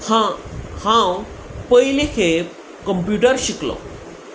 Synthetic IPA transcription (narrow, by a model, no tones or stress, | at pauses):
hahã | pəjlekʰe | kəmpjuʈəɾɕiklɔ̰